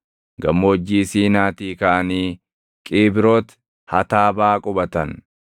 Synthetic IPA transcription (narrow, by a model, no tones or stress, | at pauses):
ɡɐmːoːd͡ʒːiːsiːnaːt̪iːkaʔɐniː | kʼiːbɪɾoːt̪ | hɐ̰t̪aːbaːkʼʊbɐt̪ɐn